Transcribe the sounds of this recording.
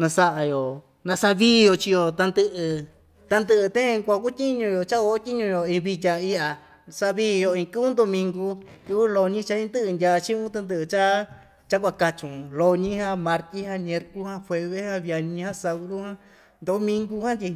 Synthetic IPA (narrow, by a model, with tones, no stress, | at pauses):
nã˧sa˧ʔa˧jo˨ | nã˧sa˧βiː˦˧jo˧t͡ʃi˧jo˧t̪a˧nd̪ɨ˧ʔɨ˧ | t̪a˧nd̪ɨ˧ʔɨ˧t̪ẽ˦˧kʷa˧ku˦t̪ʲi˦ɲũ˧jo˨t͡ʃa˦o˧˦t̪ʲi˦ɲũ˧jo˨ĩ˧βi˧tʲa˧i˧a˨ | sa˧βi˦˧jo˧ĩ˧kɨ˦u˦nd̪o˧mĩ˧ŋɡu˧k̪u˧βu˦lo˧ɲĩ˦t͡ʃa˧ĩ˧nd̪ɨ˦ʔɨ˧ndʲa˧t͡ʃĩ˦ũ˦t̪ɨ˧nd̪ɨ˧ʔɨ˧t͡ʃa˦ | t͡ʃa˦k̬ʷa˧ka˧t͡ʃũ˨lo˧ɲĩ˦hã˦mã˧ɾt̪i˦hã˦nẽ˧ɾku˦hã˦fwʷe˧βe˦hã˦βja˧ɲĩ˧hã˦sa˧ɾu˦hã˦ | nd̪o˧˦mĩ˧ŋɡu˧hã˦nt̪ʲi˧